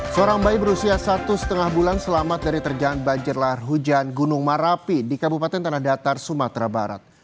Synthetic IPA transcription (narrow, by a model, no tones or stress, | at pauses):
səoɾaŋbajbəɾusiasat̪usə̥t̪əŋahbulansəlamat̪̚daɾit̪ərd͡ʒaanbad͡ʒɪrlarɦud͡ʒanɡunʊŋmaɾapidikabupat̪ɛnt̪ənahdat̪arsumat̪ɾaba̰ɾa̰t̪̚